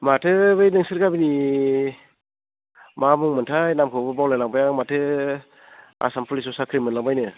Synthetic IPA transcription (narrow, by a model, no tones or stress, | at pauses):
matʰɯbɯjnɯŋsɯɾkabini | mamuŋmɯntʰajnamkʰɯbɯbawlajlaŋbajamatʰɯ | a̰sampʰulis̬ɔsakʰɾimɯnlaŋbajnɯ